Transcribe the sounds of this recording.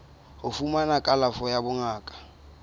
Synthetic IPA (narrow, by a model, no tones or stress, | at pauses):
hʊfumanakʼalafɔjabʊŋaːkʼḁ